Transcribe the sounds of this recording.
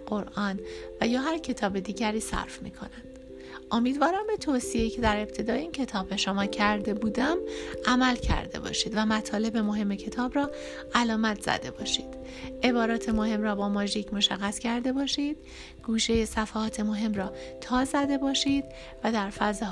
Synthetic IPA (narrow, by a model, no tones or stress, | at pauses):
ɢoɾʔɒːnvæjɒːɦæɾcʰe̞t̪ʰɒːbe̞d̪iːɟæɾiːsæ̰ɾfmḭːkʰo̞̰nænd̪̥ | ʔomiːd̪vɒːɾæmbe̞t̪ʰosijeicʰe̞d̪æɾe̞b̚t̪ʰe̞d̪ɒːjeiːncʰe̞t̪ʰɒːbe̞ʃomɒːcʰæɾd̪e̞buːd̪æmʔæmælcʰæ̰ɾd̪e̞̰bɒ̰ːʃiːd̪væmæt̪ʰɒːle̞be̞mo̞ɦe̞mːe̞cʰe̞t̪ʰɒːbɾɒː | ʔælɒːmæt̪ʰz̥æ̰d̪e̞bɒ̰ːʃiːd̪̥ | ʔe̞bɒːɾɒːt̪ʰe̞mo̞he̞mrɒːbɒːmɒʒiːcʰmo̞ʃæɣːæscʰæɾd̪e̞bɒːʃiːd̪̥ | ɡ̥uːʃe̞je̞sæfæhɒːt̪ʰe̞moɦe̞mrɒːt̪ʰɒːzæd̪e̞bɒːʃiːd̪̥ | væd̪æɾfæze